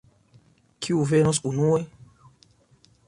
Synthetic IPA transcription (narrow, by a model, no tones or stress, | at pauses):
kʰiuvenos̬unue